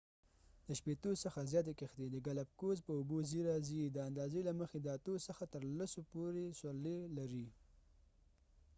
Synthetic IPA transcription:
d̪̥əʃpet̪osəxazjɑt̪̬ekexd̪ed̪əɡalap̚kozpəʊboziɾɑzid̪əand̪ɑzelaməxed̪əat̪osəxat̪əɾlasopoɾesalelaɾi

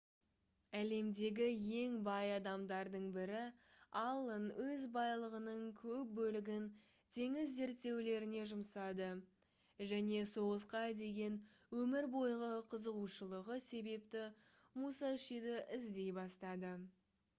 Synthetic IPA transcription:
æle̞md̪e̞ɡʲɪje̞ŋbɑjɑd̪ɑmd̪ɑɾd̪əɴbɪɾɪɑlˠənwɵzbɑjlˠəʁənəɴkʲʰɵp̚bɵlɪɡʲɪn | t̪ʰe̞ŋɪzːe̞ɾt̪ːe̞wle̞ɾɪne̞ʒʊmsɑd̪ə | ʒæne̞so̞ʁəzqɑjd̪e̞ɡʲe̞n | wɵmɪɾbo̞jʁəqʰəzəʁuʃəlˠəʁəse̞be̞pt̪ɪ | musɑʃijd̪ɪʔɪzd̪e̞jbɑst̪ɑd̪ə

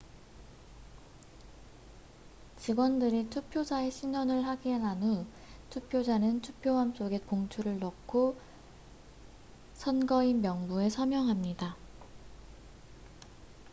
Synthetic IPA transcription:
t͡ɕiɡwʌndɯɾitʰupʰjod͡ʑae̞ɕʰiɲʌnɯɭhaɡienanu | tʰupʰjod͡ʑanɯntʰupʰjowams͈oɡe̞poŋt͡ɕʰuɾɯɭnʌkʰo | sʰʌnɡʌimjʌŋbue̞sʰʌmjʌŋɦamɲida

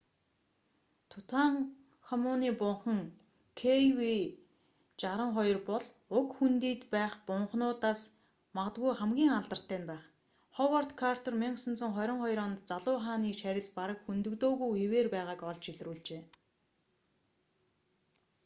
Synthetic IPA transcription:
t̪ʰʊt̪ʰaŋ | xɔmʊːniːpʊɴχə̆ŋ | kʰewi | t͡ɕaɾə̆ɴχɔjɞ̆rpɔɮ | ʊkxunt̪iːt̪pæːχpʊɴχnʊːt̪aːs | maʁət̪ɣujχæmɡʲiːŋaɮt̪ə̆r̥t̪ʰæːnpæːχ | χɔwɔrt̪kʰar̥t̪ʰɔrmiɴsə̆nt͡sʰɞ̆ŋχɔɾʲɪ̆ɴχɔj̆ɾɔnt̪t͡saɮʊːχaːniːʃæɾʲɪ̆ɮpaɾə̆kxunt̪ɵ̆kt̪oːɣujxeweːrpæːʁaːkɔɮt͡ɕiɮruːɮt͡ɕeː

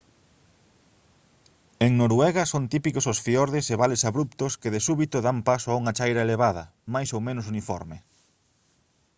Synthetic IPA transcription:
eŋnoɾwɛɣɐsont̪ipikososfioɾðeseβalesaβɾup̚t̪ʊskeðɪsuβit̪ʊðampasʊauŋɐt͡ʃajɾɐeleβað̞ɐ̰ | majsowmẽnʊs̬unifɔ̰ɾmɪ

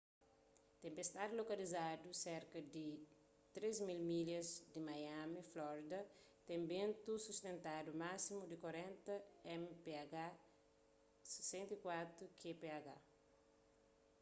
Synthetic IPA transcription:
t̪ẽmpest̪ad̪lokɐlizad̪useɾkɐd̪i | t̪ɾezmilmiljɐzd̪imajamiflɔɾid̪ɐ | t̪ẽmbẽnt̪usust̪ẽnt̪ad̪umasimud̪ikwɐɾẽnt̪ɐɛmpeaɡa | se̥sẽnt̪ikwat̪ɾukʰepeaɡa

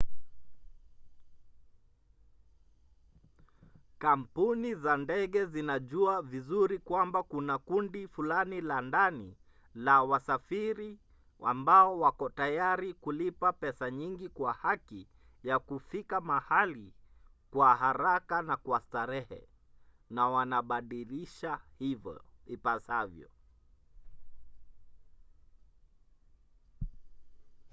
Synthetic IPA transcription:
kam̩punizandɛɠɛzinaʄuavizuɾikwambakunakundifulanilandani | lawasafiɾi | a̰mbaɔwakɔtajaɾikulipapɛsaɲiŋɡikwahaki | jakufikamahali | kwahaɾakanakwastaɾɛhɛ̰ | nawanaɓaɗiliʃahivɔ̰ipasavjɔ̰

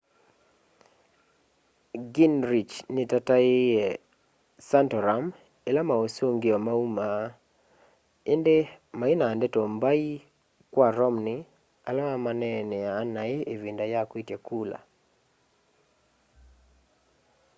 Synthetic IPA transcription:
ɡinɾit͡ʃnɪtataɪɛ | santɔɾam | elamaosoŋɡɪɔmauma | endemainaːndetombai | kwaɾɔmnɪ | alamamanɛnɛaːnːaɪevindajakwitjekula̰

